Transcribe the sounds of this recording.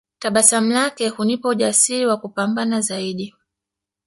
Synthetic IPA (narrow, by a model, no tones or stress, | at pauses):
taɓasam̩lakɛhunipɔuʄasiɾiwakupambanazaiɗi